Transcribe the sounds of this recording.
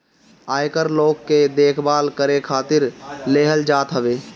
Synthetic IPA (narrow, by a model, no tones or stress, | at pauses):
aːjkəɾloːɡked̪eːkʰbaːlkəɾekʰaːt̪ɪɾleɦəld͡ʒaːt̪ɦəbeː